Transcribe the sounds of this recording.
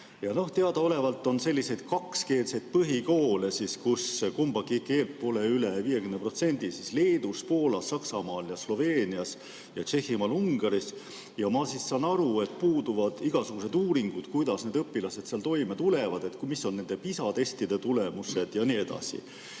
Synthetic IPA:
jɑno̞ht̪e̞ɑd̪̥ɑo̞le̞vɑlt̪ːˑo̞nse̞lʲːise̞jd̪̥kɑkske̞ːlse̞jd̪̥̚pɤɦiko̞ːlesiskuskumbɑkːiikːeːlpo̞ːleyleviːje̞kymnepro̞t̪se̞nʲd̪isisle̞ːd̪uspo̞ːlɑsːɑksɑmɑːljɑslo̞ve̞ːniɑs | jɑt͡ʃe̞hːimɑːluŋɡ̥ɑɾis | jɑmɑsisːɑːnɑɾue̞t̪̚puːd̪uvɑd̪̥iɡ̥ɑsuɡ̥use̞d̪uːɾiŋɡ̥ud̪̥kujd̪ɑsne̞ːd̪ɤpːilɑse̞d̪̥seɑlt̪o̞jmet̪ule̞vɑd̪̥e̞t̪ːkmisːo̞nne̞nd̪e̞pisɑt̪e̞st̪id̪̥e̞t̪ule̞muse̞d̪̥jɑnie̞d̪̥ɑ̰sḭ

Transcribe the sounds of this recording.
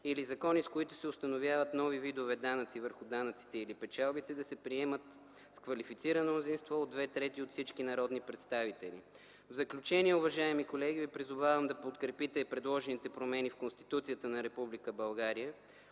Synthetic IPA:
ilizɐkɔniskoit̪ʊ̥sɛʊst̪ɐnovʲjavət̪nɔvivid̪ovɛd̪anət̪sivəɾxʊd̪anət̪si̥t̪ɛilipɛt͡ʃalˠbit̪ɛd̪ɐsɛpɾiɛmət̪ | skvɐlifit̪siɾənomnʊzinst̪vɔod̪vɛt̪ɾɛt̪iot̪fsit͡ʃkinɐɾɔd̪nipɾɛt̪st̪avit̪ɛlḭ | vzəklʲut͡ʃɛniɛʊvɐʒaɛmikolɛɡ̟ivipɾizʊvavəmd̪ɐpot̪kɾɛpit̪ɛpɾɛd̪lˠɔʒɛnit̪ɛpɾomɛnifkonst̪i̥t̪ut̪sijət̪ənɐɾɛpublikəbɐlˠɡaɾiə

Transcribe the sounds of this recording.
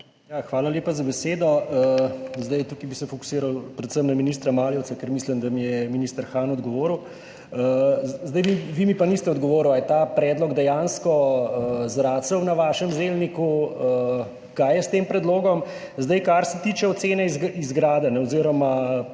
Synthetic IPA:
jaxʋaːlaljeːpazabɛseːd̪ɔəzd̪ɐjt̪ukibisɛfɔku̥siːɾawpɾɛt̪səmnaminiːst̪ɾamaːljɛwt̪sakɛɾmislimd̪amijɛminiːst̪əɾxaːnɔd̪ɡɔʋoːɾw | əzd̪ɐjbiʋimipanist̪ɛɔd̪ɡɔʋoːɾuwajɛt̪aːpɾɛːd̪lɔɡd̪ɛjanskɔəzɾaːt̪səwnaʋaːʃəmzelnikuə | kajjɛst̪eːmpɾɛd̪loːɡɔm | zd̪ɐjkaɾsɛt̪iːt͡ʃɛɔt̪seːnɛzizɡɾaːd̪ɛnɛɔziɾɔma

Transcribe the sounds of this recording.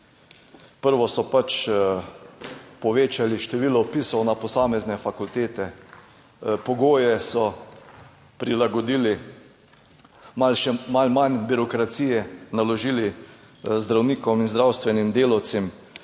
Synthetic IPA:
pəɾʋɔsɔpat͡ʃ | pɔʋeːt͡ʃaliʃt̪ɛʋiːlɔpisɔwnapɔsaːmɛznɛfakult̪eːt̪ɛ | pɔɡoːjɛsɔ | pɾilaɡɔd̪iːli | malʃɛmalmanbiɾɔkɾat̪siːjɛnalɔʒiːli | zd̪ɾawniːkɔminzd̪ɾawst̪ʋɛnimd̪eːlawt̪sɛm

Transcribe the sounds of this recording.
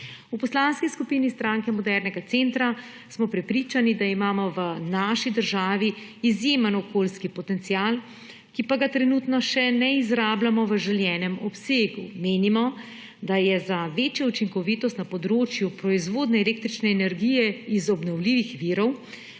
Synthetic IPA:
upɔslaːnskiskupiːnist̪ɾaŋkɛmɔd̪ɛɾnɛɡat̪sent̪ɾa | smɔpɾɛpɾiːt͡ʃanid̪aimaːmɔʋənaːʃid̪əɾʒaːʋiːzjeːmənɔkoːlskipɔt̪ɛnt̪sial | kipaɡat̪ɾɛnut̪nɔʃɛnɛizɾaːblamɔʋəʒɛljɛːnɛmɔpseːɡumeːnimɔ | d̪ajɛzaʋeːt͡ʃjaut͡ʃiŋkɔʋit̪ɔst̪napɔd̪ɾoːt͡ʃjupɾɔizʋod̪nɛːleːk̚t̪ɾit͡ʃnɛːnɛɾɡijɛizɔbnɔwliːʋixʋiːɾɔw

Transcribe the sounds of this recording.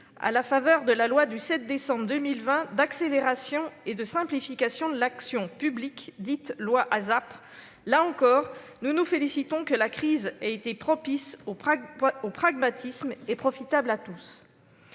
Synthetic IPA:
a̰lafavœʁd̪əlalwad̪ysɛt̪̚d̪esɑ̃bʁd̪əmilvɛ̃d̪akseleʁasjɔ̃ed̪əsɛ̃plifikʲasjɔ̃d̪əlaksjɔ̃pyblikd̪it̪lwaʔazap | laɑ̃kɔːʁnunufelisit̪ɔ̃kəlakχizaet̪epχɔpis | opχaɡmat̪ʰismepχɔfit̪ablat̪us

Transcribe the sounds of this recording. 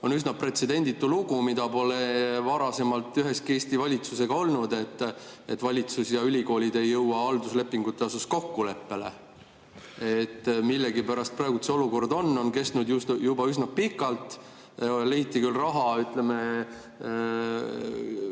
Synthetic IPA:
o̞nysnɑpre̞t̪se̞d̪̥e̞nʲd̪̥it̪ːˑuluɡ̥umid̪ɑpo̞le̞vɑɾɑse̞mɑlt̪ːˑyɦe̞ske̞ːst̪ivɑlʲit̪suse̞ɡ̥ɑo̞lnud̪e̞t̪ːet̪ːvɑlʲit̪susjɑylʲiɡo̞ːlʲid̪̥e̞jːɤwwɑɑld̪̥usle̞pːˑiŋɡ̥ut̪ːˑe̞osusko̞kːule̞pːe̞le̞̰ | et̪ːˑmilːeɡipæɾɑst̪̚prɑeɡut̪seo̞luko̞rd̪o̞nːo̞nke̞st̪nud̪jusjubɑysnɑpikːˑɑlt̪ˑ | leit̪ːˑikylrɑɦɑyt̪leme

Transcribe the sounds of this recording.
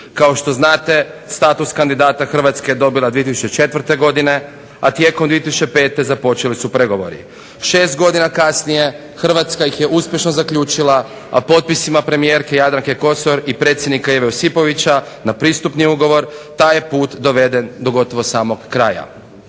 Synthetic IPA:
kao̞ʃt̪o̞znaːt̪e̞st̪aːt̪uskand̪id̪aːt̪axr̩ʋat̪ske̞jed̪o̞bilˠad̪ʋiet̪isu̥t͡ʃet͡ʃe̞t̪ʋr̩t̪e̞ɡo̞d̪ine̞ | at̪je̞ːkomd̪iet̪isut͡ʃepe̞ːt̪e̞zapo̞t͡ʃelisupɾe̞ɡo̞ʋo̞̰ɾḭ | ʃe̞ːst̪ɡo̞d̪inakasnije̞ | xr̩ʋat̪skajixje̞ʔuspʲjeʃno̞zakʎʲuːt͡ʃilˠa | a̰po̞t̪̚pisimapɾe̞mije̞ːɾke̞jad̪ɾaŋke̞ko̞so̞ɾipɾet̪sjed̪nikaeʋeosipo̞ʋit͡ɕa | napɾiːst̪upniuɡo̞ʋo̞ɾt̪aːjepuːt̪d̪o̞ʋe̞d̪e̞nd̪o̞ɡo̞t̪o̞ʋo̞saːmo̞ɡːɾaːja̰

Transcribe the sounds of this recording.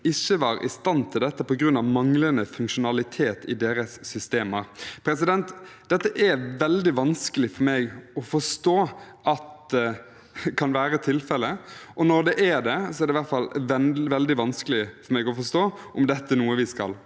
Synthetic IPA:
ɪçːəʋɑːɾɪ̰st̪ɑnt̪ʰɪld̪ɛt̪ːəpɔɡɾʉnːɑʋmɑŋlənəfʉŋkʂʊnɑlɪt̪ʰeːt̪ɪd̪eːɾəsːʏst̪eːməɾpʰɾɛsɪd̪ɛnt̪d̪̥ɛt̪ːəʔɛʋɛld̪ɪʋɑnskəlɪfɔɾmɛːɡɔfɔʂt̪oː | ʔɑt̪ | kʰɑnʋæːɾət̪ʰɪlfɛlːəʔɔnɔɾd̪ɛʔɛd̪ɛsɔɛɾd̪ɛɪʋæɾt̪fɑlʋɛʋɛld̪ɪʋɑnskəlɪfɔɾmɛːɡɔfɔʂst̪oːʔɔmd̪ɛt̪ːənuːəʋɪskɑ̰l

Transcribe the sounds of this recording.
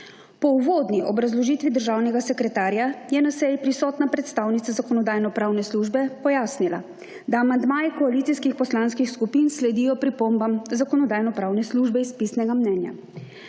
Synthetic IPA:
pɔuʋoːd̪niʔɔbɾazlɔʒiːt̪ʋid̪əɾʒaːwnɛɡasɛkɾɛt̪aːɾjajɛnasɛjpɾisɔːt̪napɾɛt̪st̪aːwnit̪sazakɔnɔd̪aːjnɔpɾaːwnɛsluʒbɛpɔjaːsnila̰ | d̪aːmand̪maːjɛkɔalit̪iskixpɔslanskixskupinslɛd̪ijɔpɾipombamzakɔnɔd̪aːjnɔpɾaːwnɛsluʒbɛispisnɛɡamnɛnja̰

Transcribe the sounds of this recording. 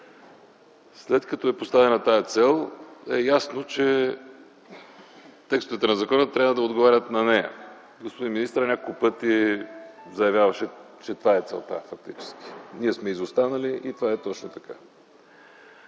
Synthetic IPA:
slɛt̪kɐt̪ɔɛpost̪avɛnɐt̪ajət̪sɛlˠɛjasnot͡ʃɛ | t̪ɛkst̪ovit̪ɛnɐzɐkɔnət̪ːɾʲabvəd̪ɐod̪ɡovaɾʲət̪nɐnɛjɐ̰ | ɡospod̪inminist̪əɾənʲakokpɤt̪i | zɐjɐvʲjavɐʃɛ | t͡ʃɛt̪ovaɛt̪sɛ̰lˠt̪a̰fɐk̚t̪it͡ʃɛ̥sk̟ʲi̥niɛsmɛizost̪anəliʔit̪ovaɛt̪ɔt͡ʃnot̪ɐka

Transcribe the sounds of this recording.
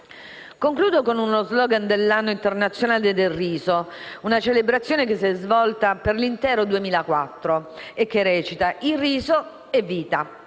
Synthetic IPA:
koŋkluːd̪okonunozlɔːɡand̪elːanːoint̪ernat̪sːjonaːled̪elrːiːzounat͡ʃelebɾat̪sːjoːnekes̬ːiɛzvɔlt̪aperlint̪ɛːɾod̪uemiːlakwat̪ːɾoek̟ːerɛːt͡ʃit̪aʔiriːzo | ɛvːiːt̪a

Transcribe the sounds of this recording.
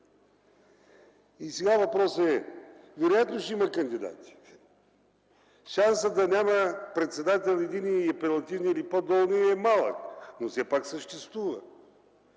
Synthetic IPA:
isɛɡavɐpɾɔsəɛvɛɾojat̪noʃiməkɐnd̪id̪a̰t̪i̥ | ʃansəd̪ɐnʲaməpɾɛt̪sɛd̪at̪ɛlˠɛd̪iniɐpɛlˠɐt̪ivniːlipod̪ɔlˠniɛmalˠə̰knofsɛpaksəʃt̪ɛst̪vuvə̰

